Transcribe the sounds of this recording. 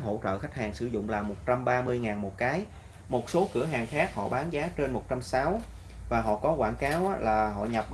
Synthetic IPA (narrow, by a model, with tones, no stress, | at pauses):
ɦo̰˧˥t͡ɕə̰ː˧˨xa˦˥jk̟̚haː˨˩ŋsɨ˧˩zʊ̰˧˨ŋ͡mlaː˨˩mo˨˩t̚t͡ɕa˧mɓaː˧mɨ˧əjŋaː˨˩nmo˨˩t̚kaː˨˦j | mo˨˩t̚so˨˦kɨ˧˩əɦaː˨˩ŋxaː˦˥k̚hɔ̰˧˨ɓaː˨˦nzaː˨˦t͡ɕe˧nmo˨˩t̚t͡ɕa˧msaː˨˦w | vaː˨˩ɦɔ̰˧˨kɔ˨˦kwaː˧˩nkaː˨˦wʔlaː˨˩ɦɔ̰˧˨ɲə˨˩p̚